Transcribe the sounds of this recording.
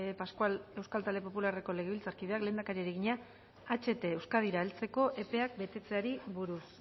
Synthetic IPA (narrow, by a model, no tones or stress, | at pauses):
paskwale̞wskalt̪ald̪epo̞pulare̞ko̞leɣe̞βilt͡saɾkiðe̞akle̞ːnd̪akaɾiaɾiɣ̞iɲaː | t͡ʃe̞t̪e̞ːwskað̞iɾaelt͡se̞ko̞ʔe̞pe̞ak̚be̞t̪e̞t͡seaɾiβuɾus